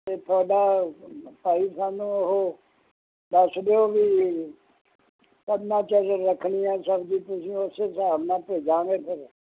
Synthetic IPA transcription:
t̪eːt̪ʰɔːɖaː | paːiːsaːnũːʊɦoː | d̪əsd̪eoːʋiː | kədnãːt͡ʃəɾːəkʰɳiːɛːsəbd͡ʒiːt̪ʊsĩːʊseːsəaːbnãːpeːd͡ʒãːɡeːpʰɪɾ

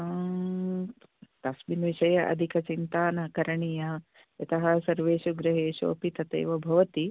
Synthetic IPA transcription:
t̪ɐsminʋiʃɐjɐʔɐ̰d̪ʱikɐt͡ʃint̪aːnɐkɐɾɐɳijɐ | jɐt̪ɐɦɐsɐɾʋeːʃuɡɾɐɦeːʃo̰ːpit̪ɐt̪ḛːʋɐbʱɐʋɐt̪i

